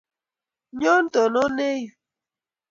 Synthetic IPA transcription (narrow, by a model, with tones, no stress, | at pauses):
ɲɔ˦n̩˦tɔ˨no˦ne˦ju˨